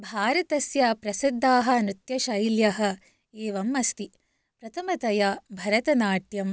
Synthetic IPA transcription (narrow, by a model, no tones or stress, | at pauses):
bʱaːɾɐt̪ɐsjɐpɾɐsid̪ʱːaːɦɐ̆nit̪jɐʃɐjljɐɦɐ̆ | eːʋɐmɐst̪i | pɾɐt̪ʰɐmɐt̪ɐjabʱɐɾɐt̪ɐnaːʈjɐm